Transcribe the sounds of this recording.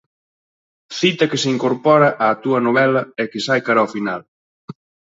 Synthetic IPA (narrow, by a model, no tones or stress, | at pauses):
θit̪ɐkeseiŋkoɾpɔɾɐʔaːt̪uɐnoβɛlɐɛkɪsajkaɾɐaofinal